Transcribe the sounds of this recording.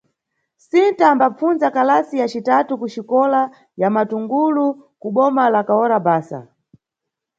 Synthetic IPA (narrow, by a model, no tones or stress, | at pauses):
sintaːmbap͡funzakalasijat͡ʃitatukut͡ʃikɔla | jamatuŋɡulukuɓɔmalakaɔɾabaːsa̰